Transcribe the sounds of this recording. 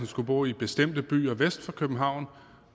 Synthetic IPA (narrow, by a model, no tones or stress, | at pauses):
nsɡ̥ub̥o̝̰ːib̥e̝sd̥em̰d̥əb̥y̰ːɐʋesd̥fɒkʰøb̥n̩ɦɑ̈ʊ̰n